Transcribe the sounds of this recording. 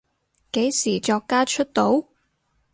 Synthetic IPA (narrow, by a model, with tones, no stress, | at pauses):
ke˨˥jsiː˨˩t͡ʃɔː˧kːaː˥t͡ʃʰɵ˥t̚t̪o˨˥w